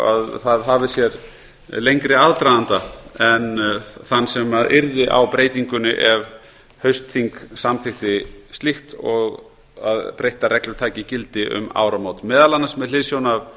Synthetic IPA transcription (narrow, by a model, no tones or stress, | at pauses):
a̰ðθaðɦavɪsjɛɾ | lejŋkɾɪaðt̪ɾaðant̪aɛnθanːsɛmaðɪɾðɪʔa̰wpɾeːjt̪iŋkʏnɪ̰ʔɛv | hœɥst̪θiŋksamθɪxt̪ɪst̪lixt̪ɔɣ | a̰ðpɾejht̪aɾɛklʏɾt̪ʰaːjcɪcɪlt̪ɪʔʏ̰ma̰ːwɾamowt̪mɛːðalanːasmɛðlɪðsjownav